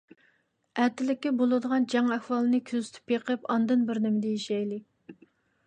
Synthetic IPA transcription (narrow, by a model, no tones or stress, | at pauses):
æt̪ʰːɪlɪkʲːɛbolˠɨd̪əʁɑnd͡ʒɑŋæhwɑlˠɨnɨkʲʰøzy̥t̪ʰy̥pjeqʰəpɑnd̪ɨnbɪɾnɪmɪd̪ɛjeʃɛjlɪ